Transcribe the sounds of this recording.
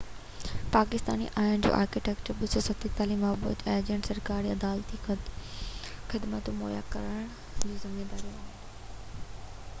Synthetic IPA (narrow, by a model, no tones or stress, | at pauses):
paːkɪst̪a̰ːnḭʔaːɦɪñd͡ʑo̰ːʔa̰ːɾkɪʈɛːkt͡ɕəɾbʊsosɐt̪ʰit̪aːlimɐːbṵːt̪eːd͡ʑəɳʈsɐɾkaːɾiɐd̪aːlt̪ix | xɪd̪mət̪moːja̰kɐɾəɽ̃ | d͡ʑoːzɐmed̪aːɾijũaːɦɪnː